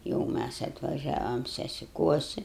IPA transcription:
jɛʊ ˈmʲæs ɐtʋɐˈʒʲæːʋɐm sʲɛsʲɪˈkuɔsʲɪ

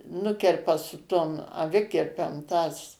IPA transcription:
ˈnʊkʲɛrpɐ sʊ ˈtoːm ɐˈʋʲɪkʲɪrʲpʲɛm tɐs

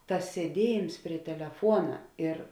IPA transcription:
ˈtɐs sʲiɛˈdʲiɛjeːms pʲrʲiɛ tʲɛlʲɛˈfuɔnɐ ɪr

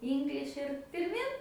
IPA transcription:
ˈiːŋɡlʲɪʃʲ ɪr pʲɪrʲˈmʲɪn

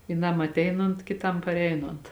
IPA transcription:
ʋʲiːˈnɐm ɐtʲˈɛɪnoːnt kʲɪˈtɐm pɐrʲˈɛɪnoːnt

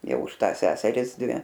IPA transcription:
ˈjɛʊ ʊʃ ˈtɑːs ˈsʲæːsʲɛrʲɪs ˈdʲʋʲɪ

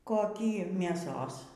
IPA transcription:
koːˈkʲiː mʲeːˈsoːs

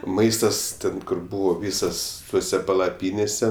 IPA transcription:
ˈmɐɪstɐs ˈtʲɛn ˈkʊr ˈbuːʋoː ˈʋʲiːsɐs ˈtuɔsʲɛ pɐlˠɐˈpʲiːnʲeːsʲɛ

